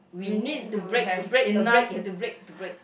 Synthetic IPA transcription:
winid̚tubɹekbɹeknektubɹek̚tubɹek̚

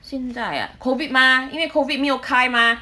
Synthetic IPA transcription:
sinza̰ja̰kʰovit̚maːiŋmekʰovit̚miʔokʰajmaː

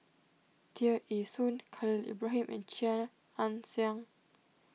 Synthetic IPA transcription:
t̪ʰiəʔisũnkʰalilḭbɹaɦĩmʔɛ̰̃nt͡ʃãn | ãnsiãŋ

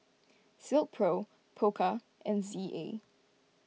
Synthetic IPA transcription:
sɪlˠt̚pʰɹo | pʰokʰə | ɛ̃nziʔḛ

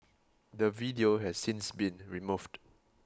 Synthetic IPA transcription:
dəvidioɦɛssĩnsbĩnɹimuvd

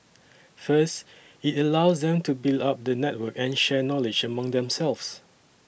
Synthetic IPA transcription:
fəst | itəlaʊsdɛ̃mtubildap̚dənɛt̚wəkɛ̃nʃɛnɔlɪd͡ʒəmãŋdɛ̃msɛlfs

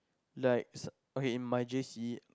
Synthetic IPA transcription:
laɪk̚s | okeĩnmaɪd͡ʒesi

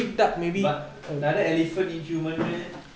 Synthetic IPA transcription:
ik̚dat̚mebibat̚ | ənadəɛlifə̃nĩnfumə̃nɛ̃

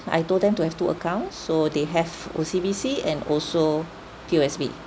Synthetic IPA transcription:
a̰jtoldɛ̃mtuhɛftuə̰kãʊ̃ntsːodeɦɛvo̰sibisiɛ̰̃nɔlso | kʰioɛsbḭ

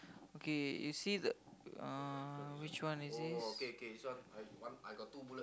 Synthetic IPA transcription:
okejusid̪ə̰əwit͡ʃwanisikeokeiswanajwanajɡɔt̪ːubulə

